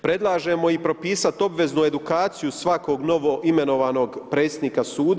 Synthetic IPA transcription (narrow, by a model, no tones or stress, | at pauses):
pɾe̞d̪lˠaːʒemo̞ipɾo̞piːsat̪o̞bʋe̞znue̞d̪ukaːt̪sijusʋako̞ɡno̞ʋo̞ʔime̞no̞ʋaːno̞ɡpɾe̞ːt̪st̪nikasuːd̪